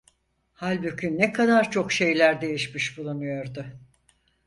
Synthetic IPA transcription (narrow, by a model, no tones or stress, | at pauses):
halʲbycʲʰynːɛkʰad̪aɾt͡ʃʰo̞kʃe̞jlʲæɾd̪e̞jiʃmiʃbulˠunujo̞ɾd̪ʊ